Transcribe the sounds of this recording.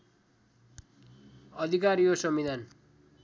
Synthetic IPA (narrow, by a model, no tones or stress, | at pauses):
ʌd̪ʱikaɾijosʌmid̪ʱan